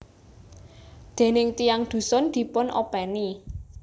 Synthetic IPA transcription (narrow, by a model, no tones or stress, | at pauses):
d̪̥e̤nɪŋt̪ijaŋd̪̥ṳsʊnd̪̥i̤pʊnʔo̰pɛni